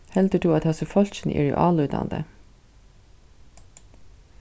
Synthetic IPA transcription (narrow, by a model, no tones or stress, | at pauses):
hɛld̪əɖuːɑt̪hɛsəfɔlçɪnʔɪ̰ɹɛ̰ʔɑːlʉːt̪a̰nd̪ə̰